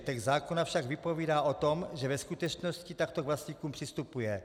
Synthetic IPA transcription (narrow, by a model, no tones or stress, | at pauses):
t̪ɛɡzaːkonafʃaɡvɪpo̞viːdaːʔot̪omʒɛvɛskut̪ɛt͡ʃnoscit̪ak̚t̪okvlast̪ɲikuːmpr̥ɪst̪upujɛ